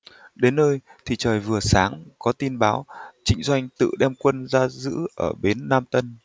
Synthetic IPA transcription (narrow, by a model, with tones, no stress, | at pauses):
ɗe˨˦nːəː˧jt̪ʰi˨˩t͡ɕəː˨˩jvɨ˨˩əsaː˨˦ŋkɔ˨˦t̪i˧nɓaː˨˦wt͡ɕï˨˦ŋ̟zwa˧jŋ̟t̪ɨ̰˧˨ɗɛ˧mkwə˧nzaː˧zɨ̰˧˥ʔəː˧˩ɓe˨˦nːaː˧mt̪ə˧n